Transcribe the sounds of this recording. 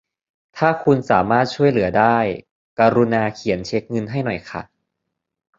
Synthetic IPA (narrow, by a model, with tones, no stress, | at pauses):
t̪ʰaː˥˩kʰu˧nsaː˩˦maː˥˩t̪̚t͡ɕʰu˥˩əjlɯ˩˦ɐdaː˥˩j | ka˧ɾu˧naː˧kʰi˨˩˦nt͡ɕʰe˦˥k̚ŋɤ˧nɦa˥˩jnɔ˨˩jkʰa̰˧˥˩